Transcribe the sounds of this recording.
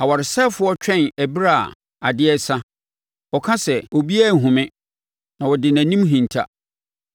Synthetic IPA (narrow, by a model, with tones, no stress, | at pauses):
a˨wa˨ɾɪ˨sɛ˦fʊ˦ɔ˦t͡ɕᶣɛ̃˦˨næ˨bi˦ɾa˦˨ | a˨dɪ˦ɛ˦sa˦ | ɔ˨kʰã˦sɛ˨ɔ˨bi˦æ˦˨ɦũ˨mɪ̃˦ | nã˨wɔ˨dɪ˨næ̃˨nĩ˦mɦĩ˨n˨tʰa̰˦